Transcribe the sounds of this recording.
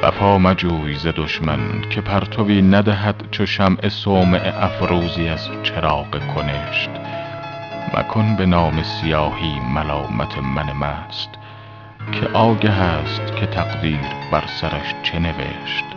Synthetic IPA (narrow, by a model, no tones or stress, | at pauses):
v̥æ̰pʰɒːmæd͡ʒuːjze̞d̪oʃmænkʲʰe̞pʰæɾt̪ʰoviːnæd̪æɦæd̪̥t͡ʃʰoʃæmʔe̞soːmeʔeʔæfɾuːziæst̪t͡ʃʰe̞ɾɒːɢekʰone̞ʃt̪ | mʔæ̰kʰonbe̞nɒːme̞sijɒːhiːmælɒːmʔæt̪ʰe̞mænemæːst̪ | kʰḛʔɒːɟæɦæːst̪kʲʰe̞t̪ʰæɡd̪iːɾbæɾsæɾæʃt͡ʃʰe̞ne̞ve̞̰ʃt̪